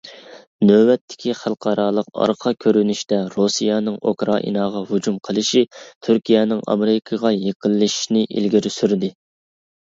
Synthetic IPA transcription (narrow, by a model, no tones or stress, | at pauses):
nøwɛt̪ʰːɪ̥kʲʰiχælˠqʰɑɾɑːlˠəqɑ̰ɾqʰɑkʲʰøɾynyʃt̪ɛɾosijɑnɨŋo̰kɾɑ̰ʔḭnɑːʁɑhud͡ʒumqʰəlˠɨʃit̪ʰyɾkʲʰijɛnɪŋɑ̰meɾɪkʰɑʁɑjeqʰəlˠːɨʃnɪʔḭlɡʲiɾysyɾd̪ɪ